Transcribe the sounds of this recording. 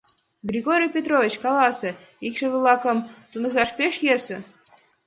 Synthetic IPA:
ɡrʲiɡoɾʲijpʲet̪rovʲit͡ɕkɑlˠɑsə̆ | ikʃə̆vɨlˠɑkɤ̆mt̪unɤ̆zɑʃpʲeʃjesɘ̆

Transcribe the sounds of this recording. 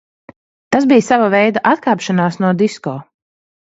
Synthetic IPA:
t̪azbijsavavɛjd̪aʔat̪kaːpʃanaːsnuɔd̪iskɔː

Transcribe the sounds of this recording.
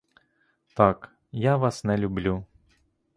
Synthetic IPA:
t̪ɑk | jaʋɑsnɛlʲʊblʲu

